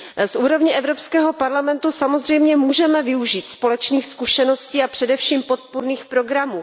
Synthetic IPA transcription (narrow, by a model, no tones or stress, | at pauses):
sʔuːɾo̞vɲɪʔɛvɾopskɛːɦo̞paɾlamɛnt̪usamo̞zr̝ɛjmɲɛmuːʒɛmɛvɪuʒiːt̪spo̞lɛt͡ʃniːxskuʃɛno̞sciːapr̝̥ɛdɛfʃiːmpo̞t̪̚puɾniːxpɾo̞ɡɾamuː